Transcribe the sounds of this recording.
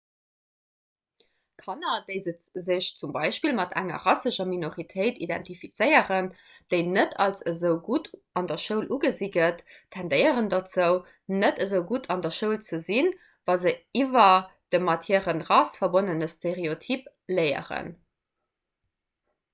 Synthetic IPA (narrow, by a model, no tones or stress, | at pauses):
kʰɑnɐd̥əɪzət͡szəɕt͡sumbɑɪʃpilmɑtʰæ̰ŋɐ̰ʁɑsəʃɐminoʁitʰeɪtʰidæ̰ntifit͡səɪəʁən | d̥əɪnətʰɑlsəzəʊɡut | ɑndɐʃəʊlʔuɡəziɡətʰːændəɪəʁəndɑt͡səʊ | nətəzəʊɡutʰɑndɐʃəʊlt͡səzin | vɑzəivɐd̥əmɑtʰeːʁənʁɑsfɐbonənəstʰeʁeotʰip | ləɪə̰ʁə̰n